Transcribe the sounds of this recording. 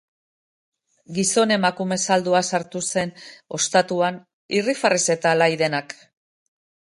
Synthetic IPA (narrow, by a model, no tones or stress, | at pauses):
ɡiso̞ne̞makume̞sald̪uasaɾt̪use̞no̞st̪at̪uan | irifarese̞t̪alajðe̞nak